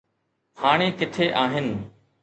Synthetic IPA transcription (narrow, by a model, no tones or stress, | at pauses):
xaːɽ̃ẽːkɪt̪ʰeːʔaːɦɪnɪ̆